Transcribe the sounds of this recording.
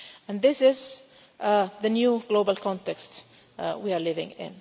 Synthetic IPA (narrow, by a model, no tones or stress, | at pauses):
ə̃nðɪsɪz | ðənjuːɡ̥loʊbəlkʰɔ̃ntɛkst | wiəlɪvɪ̰̃ŋɪ̰̃n